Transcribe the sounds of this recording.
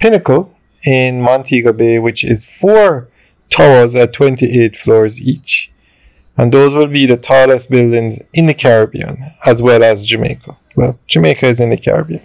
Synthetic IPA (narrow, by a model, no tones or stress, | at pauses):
pʰɪnɨkəlˠ | ɪ̃nmɑ̃ntʰiɡəbewɪt͡ʃɪ̰z̥fɔɹ | tʰɔəzətʰw̥ɛ̃ntiʔeɪd̥flɔːɹzit͡ʃ | ə̃nðoːzwɪlˠbiðətʰɔləsb̥ɪlˠdɪ̃ŋzɪ̃nðəkʰæɹəbḭə̰̃nəzwɛlˠəzd͡ʒɨmḛɪkʰə | wɛ̰lˠd͡ʒ̥ɨmeɪkəɨzɨ̃nðəkʰæ̰ɹə̰biə̃n